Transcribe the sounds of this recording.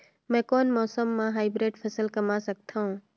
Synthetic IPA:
mɛ̃ːkoːnmɔːsəmːãɦaːɪbɾeʈpʰəsəlkəmasək̚t̪ʰaɦũ

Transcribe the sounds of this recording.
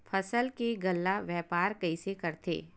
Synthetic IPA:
pʰɐsəlkeɡɐlːaʋjɛːpaːɾkɐisekɐɾt̪ʰḛː

